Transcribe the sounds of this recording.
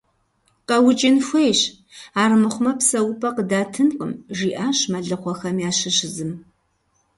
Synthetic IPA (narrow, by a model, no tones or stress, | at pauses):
qɐwʊt͡ʃʼɪnxʷejɕ | aːrmɨχʷʊmɐpsɐwʊpʰʼɐqədaːtʰɨnqəmʒiːʔaːɕmɐɮɨqʷɔxɐmjaːɕɪɕɪzɨm